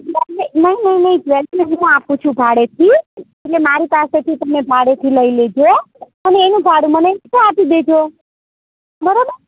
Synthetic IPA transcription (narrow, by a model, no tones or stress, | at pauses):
nəenəinəɦinəɦĩt͡ʃʰeled͡ʒiɦũap̚kut͡ʃʰubʱaɽet̪ʰieʈlemaɾipaset̪ʰit̪əmebʱaɽet̪ʰiləiled͡ʒo | əneːnũbʱaɽũmənekẽapid̪ed͡ʒo | bəɾobəɾ